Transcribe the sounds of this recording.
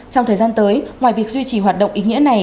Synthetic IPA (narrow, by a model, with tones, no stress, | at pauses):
t͡ɕɔ˧wŋ͡mt̪ʰəː˨˩jzaː˧nt̪əː˨˦jŋwaː˨˩jvi˨˩ək̚zwi˧t͡ɕi˧˩ɦwaː˨˩t̚ɗə̰˧˨wŋ͡mʔi˨˦ŋḭ˧˥əna˨˩j